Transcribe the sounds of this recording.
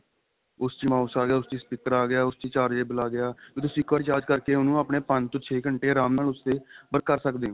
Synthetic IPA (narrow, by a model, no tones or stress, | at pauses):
ʊst͡ʃĩːmãːʊːsaːɡɪjaːʊst͡ʃiːspɪkəɾaːɡɪjaːʊst͡ʃiːt͡ʃaːɾd͡ʒeːbəlaːɡɪjaːkõːt̪ʊsĩːɪkʰʋaːɾt͡ʃaːd͡ʒkəɾkeːʊnũːaːpɳeːpəɲd͡ʒt̪õːt͡ʃʰeːkəɳʈeːɾaːmnaːlʊst̪eːbəɾkəɾsəkd̪ẽː